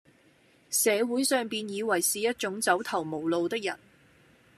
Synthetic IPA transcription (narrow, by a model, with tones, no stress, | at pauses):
sɛː˨˧wuː˨˥jsœː˨ŋpiː˨njiː˨˧wɐ˨˩jsiː˨jɐ˥t̚t͡ʃʊ˨˥ŋt͡sɐ˨˥wt̪ʰɐ˨˩wmo˨˩wlo˨wt̪ɪ˥k̚jɐ˨˩n